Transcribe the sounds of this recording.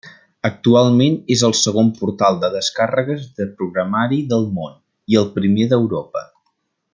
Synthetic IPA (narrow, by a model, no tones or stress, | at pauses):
ək̚t̪ualˠmenezəlˠsəɣ̞ompuɾt̪alˠd̪əðəskarəɣəzðəpɾuɣɾəmaɾiðəlˠmon | iəlˠpɾimeðəwɾopə̰